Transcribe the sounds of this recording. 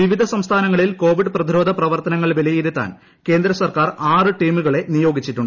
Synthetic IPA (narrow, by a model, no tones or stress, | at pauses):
ʋiʋid̪ʱɐsɐmst̪ʰaːnɐŋːɐɭilko̞ːʋiɖɨprɐd̪ʱiɾo̞ːd̪ʱɐprɐʋɐrt̪ɐnɐŋːɐɭʋelɐjiɾut̪ːa̰ːn | ke̞ːnd̪ɾɐsɐrkaːraːrɨʈiːmuɣɐɭe̞nijo̞ːɡit͡ɕːiʈːuɳɖɨ